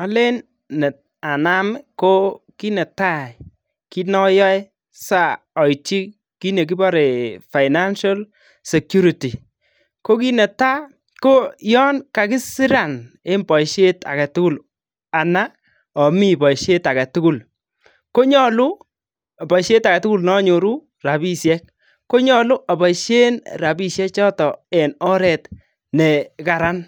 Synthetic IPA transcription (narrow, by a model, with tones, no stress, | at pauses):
ɔ˦le˦nː | ɛ˨t̚ | a˨na˦mko˦ki˦nɛ˨ta˦ | ki˦nɔ˦jɔ˦j | sa˦˨ | ɔ˨it͡ʃi˦ | ki˦ne˨k̬i˦bɔ˦ɾe˨fa˨ɪna˦nʃa˦l | sɛ˨kju˦ɾi˨ti˨ | ko˦ki˦nɛ˨ta˦ | ko˦jɔ˦nka˨kɪ˦si˦ɾa˨n | e˦mbɔ˨iʃe˦ta̰˨ɡa˨tʊ˦ɡu˦l | a˨na˦ | ɔ˨mi˦bɔ˨ʃe˦ta˨ɡa˨tʊ˦ɡu˦˨l | ko˦ɲɔ˦lu˦˨ | bɔ˨ʃe˦ta˨ɡa˨tu˦ɡu˦lnɔ˦ɲo˨ɾu˦ | ra˨bi˦sjɛ˦k̚ | ko˦ɲɔ˨lʊ˦ʔa˨ba˨ʃe˦nra˨bi˦ʃjɛ˦t͡ʃɔ˦tɔ˨ɛ˨nɔ˦ɾɛ˨t | nɛ˨ka˨ɾa˦n